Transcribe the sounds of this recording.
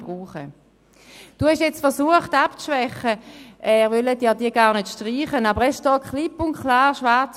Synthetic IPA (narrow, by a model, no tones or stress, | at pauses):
bʁuːχə | d̥uːhɛʃjɛt͡stfɛɐsuəχtapt͡sʃvɛχəʔɛːʁvølədjaːdiːɐɡaːʁnøtʃtʁiːχənabəʁɛʃd̥ɔːkχlɪpʊnkʰlaːʁʃʋaʁt͡s